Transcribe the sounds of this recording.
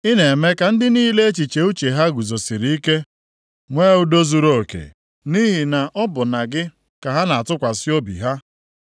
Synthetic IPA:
i˦ne˨me˦ka˨n̩˦dɪ˦niː˦le˦e˦t͡ʃi˨t͡ʃe˨u˦t͡ʃe˨ɦa˦ɡu˨zo˨si˨ɾi˨˦i˦ke˦ | ŋʷeː˦u˦do˦zu˦ɾo˦o˨kḛ˨ | ni˦ɦi˨na˨ʔɔ˦bʊ˨na˨ɡɪ˦ | ka˨ɦa˦na˨a˨tʊ˦kʷa˨sɪ˦o˦bḭ˨ɦa˦

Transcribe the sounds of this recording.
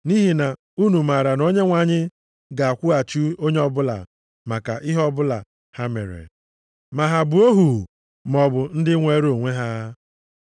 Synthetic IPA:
ni˦ɦi˨na˨ | u˦nu˨ma˨ɾa˨no˦ɲe˦ŋʷa˨ɲɪ˦ | ɡa˨a˨kʷu˦a˨t͡ʃu˦o˦ɲe˦ɔ˦bʊ˦la̰˨ | ma˨ka˨ʔi˦ɦɔ˦bʊ˦la̰˨ | ha˦mḛ˨ɾḛ˨ | ma˨ɦa˨bʊ˨o˦ɦu˨ | m˨ɔ˨bʊ˨n̩˦dɪ˦ŋʷe˦ɾo˨ŋʷe˦ɦa˦

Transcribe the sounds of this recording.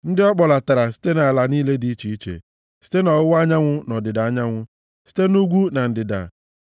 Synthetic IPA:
n̩˦dɪ˦ɔ˦k͡pɔ˨la˨ta˨ɾa˨si̥˦te˦na˨a˨la˨niː˦le˦di˨˦i˦t͡ʃi˨i˦t͡ʃḛ˨ | si̥˦te˦nɔ˨ʊ˦wa˦ɲa˦ŋʷʊ˦nɔ˨dɪ˨da˨a˦ɲa˦ŋʷʊ˦ | si̥˦te˦nu˦ɡʷu˦na˨n̩˨dɪ˨da̰˨

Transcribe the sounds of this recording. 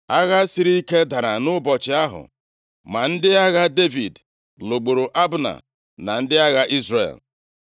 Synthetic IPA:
a˦ɣa˦sɪ˨ɾi˦i˦ke˦da˨ɾa˨nʊ˦bɔ˨t͡ʃɪ˨a˦ɦʊ̰˨ | ma˨n̩˦dɪ˦a˦ɣa˦de˦vḭ˨d | lo˨ɡ͡bo˨ɾo˨ʔa˦bna̰˨ | na˨n̩˦dɪ˦a˦ɣa˦ʔi˦zrḛ˨l

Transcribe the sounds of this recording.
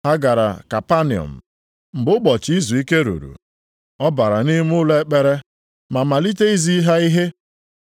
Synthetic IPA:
ha˦ɡa˨ɾa̰˨ka˨pa˦nɪ˨ɔ̰˨m̩˨ | m̩˨bʊ˦k͡pɔ˨t͡ʃi˦zu˨i˦ke˦ɾṵ˨ɾṵ˨ | ɔ˦ba˨ɾa˨ni˦m˦ʊ˦le˦k͡pe˨ɾe˦ | ma˨ma˨li˦te˦i˦zi˦ɦa˦i˦ɦe˦

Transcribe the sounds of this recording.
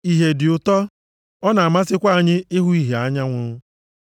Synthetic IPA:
i˨ɦe˨dɪ˨ʊ˨tɔ˦ | ɔ˦na˨a˨ma˦sɪ˦kʷa˦a˨ɲɪ˦ɪ˦ɦʊ˦i˦ɦe˨a˦ɲa˦ŋʷʊ˦

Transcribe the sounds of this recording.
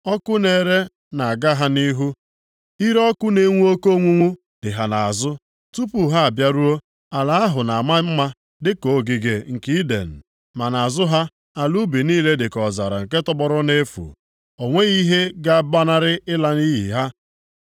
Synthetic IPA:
ɔ˦kʊ˦ne˨ɾe˦ | na˨a˨ɡa˦ɦa˦ni˦ɦu˦ | i˦ɾɔ˦kʊ˦ne˨˦ŋʷu˦o˦ko˦ŋʷu˦ŋʷu˦ | d̥ɪ˨ɦa˨na˨a˨zʊ˦ | tu˦pu˨ɦa˦a˨bja˦ɾu˦o˦ | a˨la˨a˦ɦʊ˨na˨a˨ma˦m̩˦ma˦ | dɪ˦ko˨˦ɡi˨ɡe˨ŋ̩˨ki˦dḛ˨n̩˨ | ma˨na˨a˨zʊ˦ɦa˦ | a˨lu˦bi˨niː˦le˦dɪ˨kɔ˨za̰˨ɾa̰˨ŋ̩˨ke˦tɔ˦bɔ˦ɾʊ˦ne˦fṵ˨ | o˨ŋʷe˦i˦ɦe˦ɡa˦ba˦na˦ɾɪ˦ɪ˦la˦ni˦ɦḭ˨ɦa˦

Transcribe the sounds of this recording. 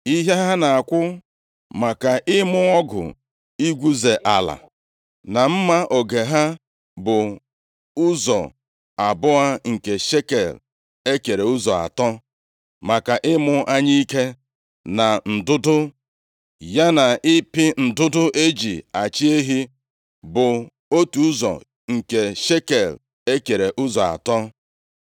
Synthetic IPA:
i˦ɦe˦ɦa˦na˨a˨kʷʊ˦ | ma˨ka˨ʔɪ˦mʊ˦ɔ˦ɡʊ̰˨ | i˦ɡʷu˦ze˨ʔa˨la̰˨ | na˨m̩˦ma˦ʔo˨ɡe˨ɦa˦ | bʊ˨ | ʊ˦zɔ̰˨ | a˨bʊ˦a˦ŋ̩˨ke˨ʃe˦ke˨l | e˦ke˨ɾe˨ʊ˦zɔ˨a̰˨tɔ˦ | ma˨ka˨ʔɪ˦mʊ˦ʔa˦ɲi˦i˦ke˦ | na˨n̩˨dʊ˦dʊ˦ | ja˦na˨ɪ˦pɪ˦n̩˨dʊ˦dʊ˦ʔe˦d͡ʒi˨a˨t͡ʃi˦e˦ɦi˦ | bʊ˨ | o˦tu˨u˦zɔ̰˨ | ŋ̩˨ke˨ʃe˦ke˨l | e˦ke˨ɾe˨ʔʊ˦zɔ˨a̰˨tɔ˦

